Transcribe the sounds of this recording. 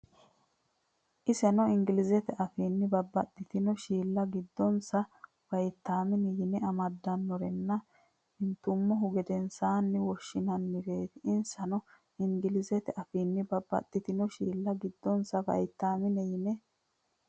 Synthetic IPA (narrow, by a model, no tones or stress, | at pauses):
ʔɪsɛnɔɪŋɡɪlɪzɛt̪ɛʔɐfiːnːɪbɐbːɐt̪ːɪt̪ɪnɔʃiːlːɐɡɪd̪ːɔnsɐ | b̥ɐjt̪ːaːmɪnɛjɪnɛɐmɐd̪ːɐnːɔɾɛnːɐ | hɪnt̪ːʊmːɔɦʊɡɛd̪ɛnsaːnːɪwɔʃːɪnɐnːɪɡeːt̪ɪɪnsɐnɔ | ɪŋɡɪlɪzɛt̪ɛʔɐfiːnːɪbɐbːɐ̰t̪ːɪt̪ɪnɔʃiːlːɐɡɪd̪ːɔnsɐvɐ̰jt̪ːaːmɪnɛjɪnɛ